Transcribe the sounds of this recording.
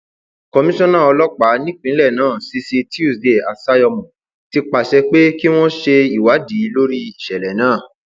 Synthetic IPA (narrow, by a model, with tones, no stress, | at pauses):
kɔ˧mĩ˦ʃɔ̃˦nãː˦˨ɔ˧lɔ˦k͡pa˨˦nĩ˦k͡pĩ˨˦lɛ˦˨nãː˦˨si˧˦si˧ti˦u˦˨sde˨a˨sa˦jɔ˧mɔ̃˨ | ti˧k͡pa˨ʃɛ˧k͡pe˦ki˦w̃ɔ̃˦ʃe˧i˦˨wa˨˦di˨˦lo˦ɾi˦i˨ʃɛ˨lɛ˨˦nãː˦˨